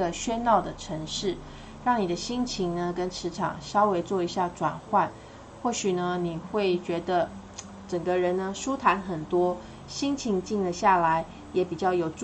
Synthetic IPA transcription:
ə˧ɕɥɛ˥nnɑ˥˩ʊd̪ə˩ʈ͡ʂʰə˧˥ŋʂɻ̩˥˩ | ɻɑ˥˩ŋni˨˩d̪ə˦ɕi˥ŋt͡ɕʰi˧˥ŋnə˧kə˦nʈ͡ʂʰɻ̩˧˥ʈ͡ʂʰɑ̰˨˩ŋʂɑ˥ʊwe˧˥ɪt͡swɔ˥˩i˧˥ɕja˥˩ʈ͡ʂwa˨˩nxwa˥˧n | xwɔ˥˩ɕy˨˩nə˦ni˨˩xwe˥˩ɪt͡ɕɥɛ˧˥d̪ə˧ | ʈ͡ʂə˨˩ŋɡə˦ɻə˧˦˥nnə˦ʂu˦t̪ʰa˧˥nxə˨˩nt̪wɔ˥ | ɕi˥ŋt͡ɕʰi˧˥ŋt͡ɕi˥˩ŋlə˧ɕja˥˩la˧˥ɪ | jɛ˧˥pi˨˩t͡ɕjɑ˥˩ʊjo˨˩ʊʈ͡ʂ

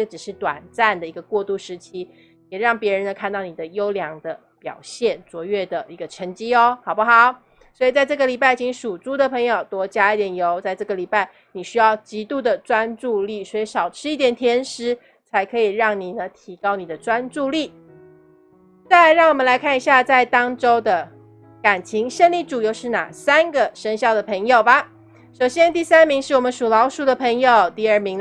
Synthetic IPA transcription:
ə˥˩ɡə˩ʈ͡ʂɻ̩˨˩ʂɻ̩˥˩t̪wa̰˨˩nt͡sa˥˩nd̪ə˩i˧˥ɡə˧kwɔ˥˧t̪u˥˩ʂɻ̩˧˥t͡ɕʰi˥ | jɛ˨˩ɻɑ˥˩ŋpjɛ˧˥ɻə˧˦nd̪ə˧kʰa˥˧nt̪ɑ˥˩ʊni˨˩d̪ə˦jo˥ʊljɑ˧˥ŋd̪ə˧ | pjɑ̰˨˩ʊɕjɛ˥˩nt͡swɔ˧˥ɥɛ˥˩d̪ə˩ʔi˧˥ɡə˧ʈ͡ʂʰə˧˥ŋt͡ɕi˥ɔ˧˦xɑ˨˩ʊbə˦xɑ˨˩˦ʊ | swɔ˧˥i˨˩t͡sa˥˧ɪʈ͡ʂɤ˥˩ɡə˩li˨˩pa˥˩ɪt͡ɕʰi˧˥ŋʂu˨˩t͡su˥d̪ə˨pʰɤ˧˥ŋjo˨˩ʊt̪wɔ˧˥t͡ɕja˥i˥˩t̪jɛ˨˩njo˧˥ʊt͡sa˥˧ɪʈ͡ʂɤ˥˩ɡə˩li˨˩pa˥˩ɪ | ni˨˩ɕy˥jɑ˥˩ʊt͡ɕi˧˥t̪u˥˩d̪ə˩ʈ͡ʂwa˦nʈ͡ʂu˥˧li˥˩swɔ˧˥i˧˥ʂɑ˨˩ʊʈ͡ʂʰɻ̩˥i˥˩t̪jɛ˨˩nt̪ʰjɛ˧˥nʂɻ̩˧˥ | t͡sʰa˧˥ɪkʰɤ˧˥i˨˩ɻɑ˥˩ŋni˨˩nə˦t̪ʰi˧˥kɑ˥ʊni˨˩d̪ə˦ʈ͡ʂwa˥nʈ͡ʂu˥˧li˥˩ | t͡sa˥˩ɻɑ˥˩ŋwɔ˨˩mə˦nla˧˥ɪkʰa˥˩ni˧˥ɕja˥˧t͡sa˥˩ɪt̪ɑ˥ŋʈ͡ʂo˥ʊd̪ə˨ | ka˨˩nt͡ɕʰi˧˥ŋʂə˥˧nli˥˩ʈ͡ʂu˨˩jo˥˧ʊʂɻ̩˥˧na̰˨˩sa˥nɡə˨ʂə˥ŋɕjɑ˥˩ʊd̪ə˩pʰɤ˧˥ŋjo˨˩ʊbɐ˨˩ | ʂo˨˩ʊɕjɛ˥nt̪i˥˧sa˥nmi˧˥ŋʂɻ̩˥˩wɔ˨˩mə˦nʂu˨˩lɑ˧˥ʊʂu˧˥d̪ə˨˩pʰɤ˧˥ŋjo˨ʊt̪i˥˧ə˞˥˩mi˧˥ŋ

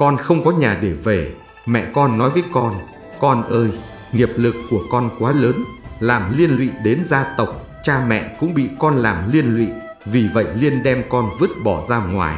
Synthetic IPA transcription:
kɔ˧nxə˧wŋ͡mkɔ˨˦ɲaː˨˩ɗe˧˩ve˧˩ | mɛ̰˧˨kɔ˧nːɔ˨˦jvəː˨˦jkɔ˧n | kɔ˧nʔəː˧j | ŋi˨˩əp̚lɨ˨˩kːu˧˩əkɔ˧nkwaː˨˦ləː˨˦nlaː˨˩mli˧ənlwḭ˧˨ɗe˨˦nzaː˧t̪ə˨˩wk͡p̚ | t͡ɕaː˧mɛ̰˧˨kʊ̰˧˥ŋ͡mɓḭ˧˨kɔ˧nlaː˨˩mli˧ənlwḭ˧˨ | vi˨˩və̰˧˨jli˧ənɗɛ˧mkɔ˧nvɨ˦˥ət̚ɓɔ˧˩zaː˧wŋwa̰ː˨˩j

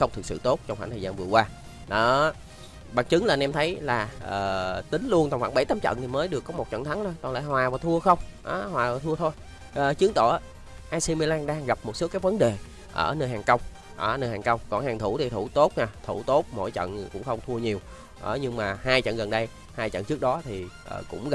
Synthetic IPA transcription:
xə˧wŋ͡mt̪ʰɨ˨˩k̚sɨ̰˧˨t̪o˦˥t̚t͡ɕɔ˧ŋ͡mxa̰ː˧˩t̪ʰəː˨˩zaː˧nvɨ˨˩əkwaː˧ | ɗɔ˨˦ | ɓaː˨˩ŋt͡ɕɨ˨˦ŋlaː˨˩nʔɛ˧mt̪ʰə˨˦jlaː˨˩ʔəː˨˩t̪ï˨˦ŋ̟lu˧ənt̪ɔ˧˩wŋ͡mxa̰ː˧˦nɓə˧˩jt̪ə˧mt͡ɕə̰˧˨nt̪ʰi˨˩məː˨˦jɗɨ˨˩əkːɔ˨˦mo˨˩t̚t͡ɕə̰˧˨nt̪ʰa˨˦ŋo˧jkɔ˨˩la̰ː˧˨jɦwaː˨˩vaː˨˩t̪ʰu˧əxə˧wŋ͡mʔaː˨˦hwaː˨˩vaː˨˩t̪ʰu˧ət̪ʰo˧j | ʔəː˨˩t͡ɕɨ˨˦əŋt̪o̰˧˨ʔː | ʔaː˧si˧mi˧laː˧nɗaː˧ŋɣa˨˩p̚mo˨˩t̚so˨˦˥kaː˨˦jvə˨˦nɗe˨˩ | ʔəː˧˩nəː˧jɦaː˨˩ŋkə˧wŋ͡m | ʔəː˧˩nəː˧jhaː˨˩kə˧wŋ͡mkɔ˨˩nhaː˨˩ŋt̪ʰu˧˩t̪ʰi˨˩t̪ʰu˧˩t̪o˦˥t̚ɲaː˧˩t̪ʰu˧˩t̪o˦˥t̚mo̰˧˥˨jt͡ɕə̰˧˨nkʊ̰˧˥ŋ͡mxə˧wŋ͡mt̪ʰu˧əɲi˨˩əw | ʔə˨˩ɲɨ˧ŋmaː˨˩haː˧jt͡ɕə̰˧˨nɣə˨˩nɗə˧j | haː˧jt͡ɕə̰˧˨nt͡ɕɨ˦˥ək̚ɗɔ˨˦t̪ʰi˨˩ʔəː˨˩kʊ̰˧˥ŋ͡mɣ

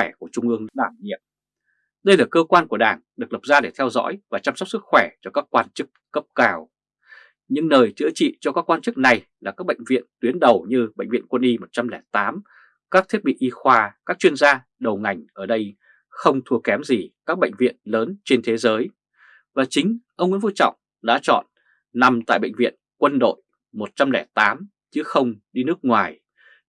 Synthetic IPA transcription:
wɛ˧˩ku˧˩ət͡ɕʊ˧ŋ͡mʔɨ˧əŋɨ̰˧˥ɗaː˧˩mɲḭ˧˨əm | ɗə˧jlaː˨˩kəː˧kwaː˧nku˧˩əɗaː˧˩ŋɗɨ˨˩ək̚lə˨˩p̚zaː˧ɗe˧˩t̪ʰɛ˧wzɔ̰ː˧˥jvaː˨˩t͡ɕaː˧msɔ˦˥k͡p̚sɨ˦˥k̚xwɛ˧˩t͡ɕɔ˧kaː˦˥kːwaː˧nt͡ɕɨ˦˥kːə˦˥p̚kaː˧˩w | ɲɨ̰˧˥ŋnəː˨˩jt͡ɕɨ̰˧˥ət͡ɕḭ˧˨t͡ɕɔ˧kaː˦˥kwaː˧nt͡ɕɨ˦˥k̚na˨˩jlaː˨˩kaː˦˥k̚ɓə̰˧˨ŋ̟vḭ˧˨ənt̪wi˨˦nɗə˨˩wɲɨ˧ɓə̰˧˨ŋ̟vḭ˧˨ənkwə˧nʔi˧mo˨˩t̚t͡ɕa˧mlɛ˧˩t̪aː˨˦m | kaː˦˥k̚t̪ʰi˦˥t̚ɓḭ˧˨ʔi˧xwaː˧kaː˦˥k̚t͡ɕwi˧ənzaː˧ | ɗə˨˩wŋa˨˩jŋ̟ʔəː˧˩ɗə˧j | xə˧wŋ͡mt̪ʰu˧əkɛ˨˦mzi˨˩kaː˦˥k̚ɓə̰˧˨jŋ̟vḭ˧˨ənləː˨˦nt͡ɕe˧nt̪ʰe˨˦zəː˨˦j | vaː˨˩t͡ɕï˨˦ŋ̟ʔə˧wŋ͡mŋḭ˧˥nvu˧t͡ɕɔ̰˧˨wŋ͡m | ɗa̰ː˧˥t͡ɕɔ̰˧˨n | na˨˩mt̪a̰ː˧˨jɓə̰˧˨ŋ̟vḭ˧˨ənkwə˧nɗo̰˧˨j | mo˨˩t̚t͡ɕa˧mlɛ˧˩t̪aː˨˦m | t͡ɕɨ˨˦xə˧wŋ͡mɗi˧nɨ˦˥ək̚ŋwaː˨˩j

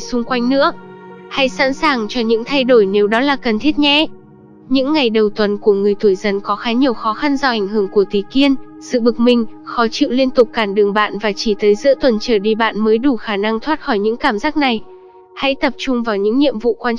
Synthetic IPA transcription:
sʊ˧ŋ͡mkwa˧jŋ̟nɨ̰˧˥ək̚ha̰˧˥jsa̰ː˧˥nsaː˨˩ŋt͡ɕɔ˧ɲɨ̰˧˥ŋt̪ʰa˧jɗo˧˩jne˨˦wɗɔ˨˦laː˨˩kə˨˩nt̪ʰi˦˥t̚ɲɛ̰˧˥ | ɲɨ̰˧˥ŋːa˨˩jɗə˨˩wt̪wə˨˩nku˧˩əŋɨ˨˩əjt̪ʰu˧˩əjzə˧nkɔ˨˦xaː˨˦ɲi˨˩əwxɔ˨˦xa˧nza˧˩ʔa˨˩jŋ̟ɦɨ˧˩əŋku˧˩ət̪i˨˩ki˧ən | sɨ̰˧˨ɓɨ˨˩k̚mï˨˩ŋ̟xɔ˨˦t͡ɕḭ˧˨wli˧ənt̪ʊ˨˩k͡p̚kaː˧˩nɗɨ˨˩əŋɓa̰ː˧˨nvaː˨˩t͡ɕi˧˩t̪ʰəː˨˦jzɨ̰˧˥ət̪wə˨˩nt͡ɕəː˧˩ɗi˧ɓa̰ː˧˨nməː˨˦jɗu˧˩xaː˧˩na˧ŋt̪ʰwaː˦˥t̚xɔ˧˩jɲɨ̰˧˥ŋkaː˧˩mzaː˦˥k̚na˨˩j | ha̰˧˥jt̪ə˨˩p̚t͡ɕʊ˧ŋ͡mvaː˨˩wɲɨ̰˧˥ŋɲḭ˧˨əmvṵ˧˨kwaː˧

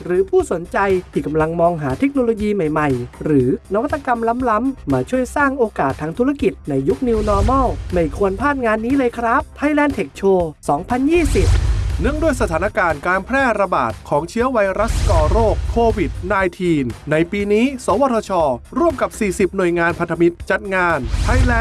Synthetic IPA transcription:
ɾɯː˩˦pʰuː˥˩so˩˦nt͡ɕa˧jt̪ʰiː˧˩ka˧mla˧ŋmɔː˧ŋɦaː˩˦t̪ʰe˦˥k̚noː˧loː˧jiː˧ma˨˩jma˨˩jɾɯː˩˦na˦˥wa˥t̪ːa˧ka˧mla˦˥mla˦˥mːaː˧˩t͡ɕʰu˥˩əjsaː˥˩ŋʔoː˧kaː˨˩t̪ʰːaː˧ŋt̪ʰu˦˥ɾa˧˩ki˨˩t̪̚na˧jːu˦˥k̚ni˧wnɔː˧mɔ˥˩ma˥˩jkʰu˧ənpʰaː˥˩t̪̚ŋaː˧nːiː˦˥lɤː˧jkʰɾa˦˥p̚t̪ʰːaː˧jlɛː˧nt̪ʰe˨˩k̚t͡ɕʰoː˧sɔː˩˦ŋpʰa˧njiː˥˩si˨˩p̚nɯ˥˩əŋdu˥˩əjsa˧aː˩˦na˧kaː˧nkaː˧npʰɾɛː˥˩ɾa˧ba̰ː˨˩t̪̚kʰɔː˩˦ŋt͡ɕʰi˦˥əwa˧jɾa˦˥skɔː˧ɾoː˥˩kʰːoː˧wi˨˩t̪̚naː˧jt̪ʰiː˧nːa˧jpiː˧niː˦˥sɔː˩˦wɔː˧˩t̪ʰɔː˧t͡ɕʰɔː˧ɾu˥˩əmka˨˩p̚siː˨˩si˨˩p̚nu˨˩əjŋaː˧npʰa˧nt̪ʰa˧mi˦˥t̪̚t͡ɕa˨˩t̪̚ŋaː˧nt̪ʰa˧jlɛː˧˥

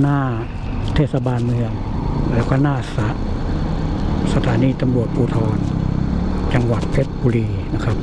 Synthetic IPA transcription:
naː˥˩ | t̪ʰeː˧˩t̪̚sa˧baː˧nmɯ˧əŋ | lɛː˦˥wkɔː˥˩naː˥˩sa˨˦˥ʔ | sa˧t̪ʰaː˩˦niː˧˩t̪a˧mɾu˨˩ət̪̚pʰuː˧t̪ʰɔː˧n | t͡ɕa˧ŋwa˨˩t̪̚pʰe˦˥t̪̚buː˧liː˧na˦˥kʰa˦˥p̚

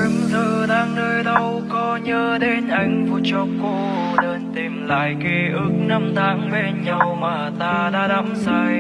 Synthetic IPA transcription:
zəː˨˩ɗaː˧ŋnəː˧jɗə˧wkɔ˧˦ɲəː˧ɗe˧nʔa˨˧˩jŋ̟vu˧˩t͡ɕɔ˧˦ko˧˦nəː˧nt̪i˨˩mla̰ː˧˨jke˧ʔɨ˨˦k̚na˧mt̪aː˨˧˦ŋɓe˧˩nɲə˧˩wmaː˨˩t̪aː˧ɗa̰ː˧˥ɗa˨˦˥msaː˧j

